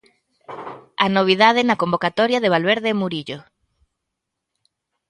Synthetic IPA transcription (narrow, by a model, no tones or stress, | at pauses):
anoβ̞iðaðenakombokat̪ɔɾjaðeβalβeɾðemuɾiʎo